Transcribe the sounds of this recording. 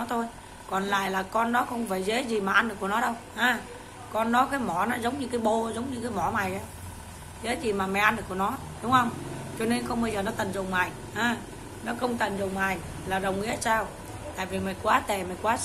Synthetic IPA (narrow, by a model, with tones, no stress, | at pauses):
t̪ʰo˧j | kɔ˨˩nla̰ː˧˨jlaː˨˩kɔ˧nːɔ˨˦xə˧wŋ͡mfaː˧˩jze˨˦zi˨˩maː˨˩ʔa˧nɗɨ˨˩ku˧˩nɔ˨˦ɗə˧wʔaː˨˦ | kɔ˧nːɔ˨˦kaː˨˦jmɔ˧˩nɔ˨˦zə˨˦wŋ͡mɲɨ˧kaː˨˦jɓo˧zə˨˦wŋ͡mɲɨ˧kaː˨˦jmɔ˧˩ma˨˩jʔaː˨˦ | ze˨˦zi˨˩maː˨˩ma˨˩jʔa˧nɗɨ˨˩ku˧˩ənɔ˨˦ | ɗʊ˨˦ŋ͡mhə˧wŋ͡mt͡ɕɔ˧ne˧nkɔ˧nɓə˧jzəː˨˩nɔ˨˦t̪ə˨˩nzo˨˩wŋ͡mmaː˨˩j | ʔaː˨˧˦ | nɔ˨˦xə˧wŋ͡mt̪ə˨˩nzo˨˩wŋ͡maː˨˩j | laː˨˩ɗə˨˩wŋ͡mʔḭ˧˥əsaː˧w | t̪a̰ː˧˨jvi˨˩ma˨˩jkwaː˨˦t̪e˧˩ma˨˩jkwaː˨˦